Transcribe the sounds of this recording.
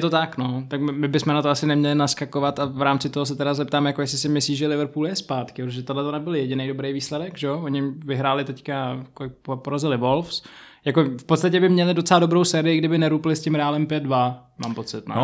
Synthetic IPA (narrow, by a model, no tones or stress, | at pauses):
ɛt̪ot̪aknot̪akmmɪbɪsmɛnat̪oasɪnɛmɲɛlɪnaskakovat̪avɾaːmt͡sɪt̪oɦos̬ɛt̪ɛɾazɛp̚t̪aːmjakojɛslɪsɪmɪsliːʒɛlɪvɾpuːljɛspaːt̪kɪpɾot̪oʒɛt̪odlɛt̪onɛbɪljɛɟɪnejdo̞bɾejviːslɛdɛɡʒɛooɲɪvɪɦɾaːlɪt̪ɛckakopopoɾazɪlɪvolfs | jakofpot̪st̪acɛbɪmɲɛlɪdo̞t̪t͡sɛladobɾowsɛːɾɪjɪɡdɪbɪnɛɾuːpɪlɪscɪmɾɛaːlɛmpjɛd̪̚dvama̰ːmpo̞t͡sɪt̪̚nɛ̰